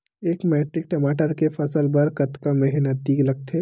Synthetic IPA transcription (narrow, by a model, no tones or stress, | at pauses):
eːkmɛːʈɾɪk̚ʈɐmaːʈəɾkefʰɐsəlbɐɾkɐt̪kamɛɦnət̪̚d̪iːɡlɐɡ̚t̪ʰeː